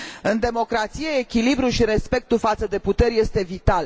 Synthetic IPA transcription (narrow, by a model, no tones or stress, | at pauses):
ɨnd̪e̞mo̞kɾat̪sijeːkʲilibɾuʃiɾe̞spe̞k̚t̪ufat̪səd̪e̞put̪e̞rʲje̞st̪e̞vit̪al